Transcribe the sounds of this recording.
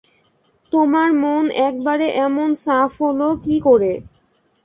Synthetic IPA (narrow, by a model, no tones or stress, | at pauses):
t̪omaɾmonɛk̚baɾeʔɛmonsafɦolokikoɾe